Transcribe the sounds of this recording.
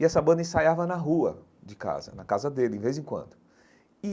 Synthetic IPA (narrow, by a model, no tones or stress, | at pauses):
ɪɛsɐbɐ̃d̪ɐĩsajavɐnɐɦuɐ | d͡ʒɪka̰zɐ̰nɐkazɐd̪elɪĩvejzẽkwɐ̰̃nd̪ʊ | i